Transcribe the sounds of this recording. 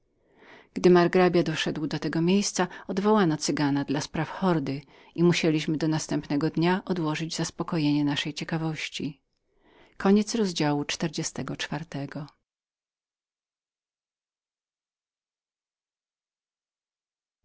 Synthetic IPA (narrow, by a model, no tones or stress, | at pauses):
ɡ̥d̪ɘmaɾɡɾabʲjad̪ɔʂɛd̪wd̪ɔt̪ɛɡɔmʲjejst̪saɔd̪vɔwanɔt̪sɘɡanad̪laspɾafxɔɾd̪ɘ | imuɕelʲiɕmɘd̪ɔnast̪ɛmpnɛɡɔd̪ɲaʔɔd̪wɔʐɘd͡ʑzaspɔkɔjeɲɛnaʂɛjt͡ɕɛkavɔɕt͡ɕi | kʰɔɲɛt̪sɾɔzd͡ʑawut͡ʂt̪ɛɾd͡ʑɛst̪ɛɡɔt͡ʂfaɾt̪ɛɡɔ